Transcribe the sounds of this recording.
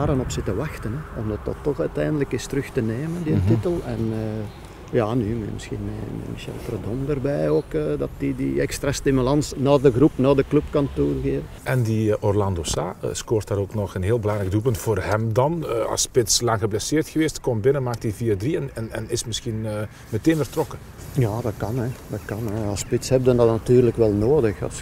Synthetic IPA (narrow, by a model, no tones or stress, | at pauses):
aːɾənɔpsɪtəʋɑxtənɛɔmdɑt̚dɑ̰tːɔxœɥtɛːndələkɪstəɾɵxtəneːməndɪtːitəlˠɛ̰nə | jaːnymɛ̰mɪsxḭnmɛ̰mɛ̰miʃɛ̰lˠtrədɔmdərbɛjoːkəːdɑtidḭɛkst̪ɾastimylɑnsnaːdəɣrupnaːdəklɵpkɑntuːrɣeːvənʔɛndiʔɔrlɑndosa̰ːə̰skoːrtaːɾoːknɔxənɦeːlˠbəlɑŋɾɛk̚duːlˠp̬ɵntfoːrhɛmdɑnɑ̰lˠspɪtslɑŋxəblɛseːrtxəʋeːstkɔmbɪnəmaːk̚tiviːərdriɛnɛnɛ̰nɪsmɪsxinəː | mɛteːnvərtrɔkə | jaːdɑtkɑnɛdɑtkɑnɛɑlˠspɪtshɛb̚dəndɑtnɑtyːrləkʋɛlˠnoːdəxɑ̰s